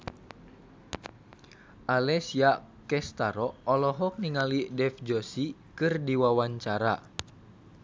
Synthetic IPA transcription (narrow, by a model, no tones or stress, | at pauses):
ʔalɛsia | kɛst̪aɾɔːlɔɦɔk̚niŋalidɛfd͡ʒɔsikɨrdiwawaɲt͡ʃaɾa̰